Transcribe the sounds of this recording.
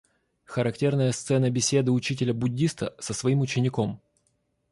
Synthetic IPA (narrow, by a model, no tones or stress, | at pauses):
xəɾɐktʲe̞rnəjəst̪sɛnəbʲɪsʲe̞d̪ɨʊt͡ɕitʲɪlʲəbʊdʲːist̪əsəsvɐimʊt͡ɕɪnʲɪko̞m